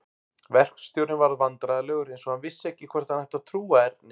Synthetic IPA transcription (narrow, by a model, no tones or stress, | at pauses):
vɛr̥kst̪jowɾnɪvaɾðvant̪ɾaðlœːɣʏɾejnsɔhanvɪsːɛhcːɪkʰvɛr̥t̪anhɛht̪at̪ʰɾuːaɛɾnɪ